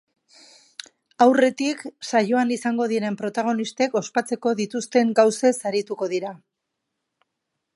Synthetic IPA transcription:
awre̞t̪iksajo̞anisaŋɡo̞ð̞iɾe̞mpɾo̞t̪aɣ̞o̞nist̪e̞ko̞spat͡se̞ko̞ðit̪ust̪e̞ŋɡawse̞saɾit̪uko̞ðiɾa

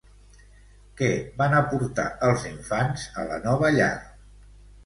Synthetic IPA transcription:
kɛβanəpuɾt̪a̰əlˠziɱfanzə̰lə̰nɔβəʎa̰ɾ

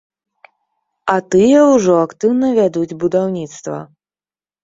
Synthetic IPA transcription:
ɐt̪ɨjɐwʐɔakt̪ɨwnɐvʲad̪ud͡zʲbud̪awnʲit̪st̪vɐ̰

